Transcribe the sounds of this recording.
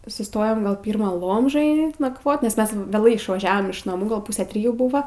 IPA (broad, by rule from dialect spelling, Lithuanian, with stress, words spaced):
sʊˈstoːjoːm ˈɡɐlˠ ˈpʲiːrmɐ ˈlˠoːmʒoːjɛ nɐkˈʋoːt nʲɛs ˈmʲɛs ʋʲeːˈlˠɐɪ ɪʃʋɐˈʒʲæːʋoːm ɪʃ nɐˈmuː ˈɡɐlˠ ˈpuːsʲæː ˈtʲrʲɪjuː ˈbʊʋɐ